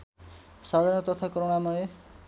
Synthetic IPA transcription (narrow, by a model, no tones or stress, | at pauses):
sad̪ʱaɾñɔt̪ɔt̪ʰakoɾoɽamʌe